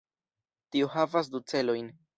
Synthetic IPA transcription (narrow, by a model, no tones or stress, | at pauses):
t̪iohavas̬d̪ut͡se̞lo̞jn